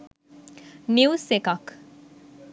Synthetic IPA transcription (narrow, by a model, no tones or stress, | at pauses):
niwsekɐk